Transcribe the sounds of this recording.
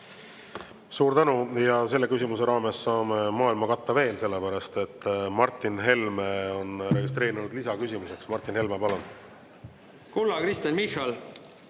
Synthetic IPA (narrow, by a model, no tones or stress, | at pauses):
suːɾt̪ænujɑse̞lːe̞kysʲimuse̞ɾɑːme̞sːɑːme̞mɑːilmɑkɑt̪ːɑve̞ːlse̞lːe̞pæɾɑst̪e̞t̪ːmɑrt̪ˑːinɦe̞lme̞o̞nɾe̞ɡis̬t̪ɾe̞ːɾinud̪lisɑkysʲimuse̞ksmɑrt̪ˑːinhe̞lmepɑlond̪̥ | kulːɑkɾist̪jɑnmihɑl